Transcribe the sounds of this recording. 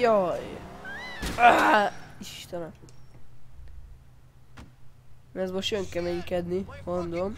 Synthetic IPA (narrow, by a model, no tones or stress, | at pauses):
jɒj | iʃt̪ɛnɛ | ɛzmoʃt̪øŋkɛmɛjikɛd̪nimond̪om